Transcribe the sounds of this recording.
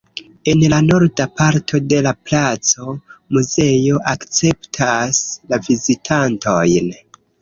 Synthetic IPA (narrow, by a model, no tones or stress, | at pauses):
e̞nlano̞ɾdapaɾtʰo̞de̞laplat͡so̞muze̞jo̞ʔakt͡se̞ptʰaslavizitʰanto̞jn